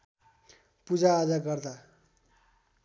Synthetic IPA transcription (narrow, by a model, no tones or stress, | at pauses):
pud͡zaːd͡zaɡʌrd̪a